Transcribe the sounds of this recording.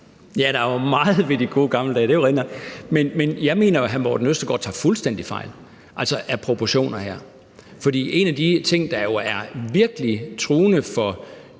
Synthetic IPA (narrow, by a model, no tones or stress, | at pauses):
jæɾ̥ɑ̈ʋɑ̈mɑ̈ːð̞̩ˠʋe̝d̥iɡ̥o̝ːɡ̥ɑ̈ml̩dɛːd̥e̝ʋoʁenɐmenmenjɑ̈ɪme̝̰ːnɐjoɦænmɒd̥enøsd̥ɐɡ̥ɒ̰ːt͡sʰɑ̰ːfulsd̥en̰d̥ifɑ̈ɪ̰l | ʔælsɒʔæɐpʰʁo̝pʰoɕo̝̰ːnɐhæ̰ɐ̰ | fɒ̽d̥ḭːe̝næd̥it͡sʰe̝ŋ̰d̥ɑ̈jo̝æɐʋiɐɡ̥əlit͡sʰʁuːnəfɒ̽